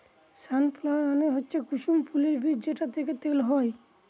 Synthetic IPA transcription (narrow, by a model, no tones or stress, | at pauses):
sanpʰlaaneɦotːɕʰekuʃumpʰuleɾbʱidd͡ʑeʈat̪ʰeket̪elɦɔj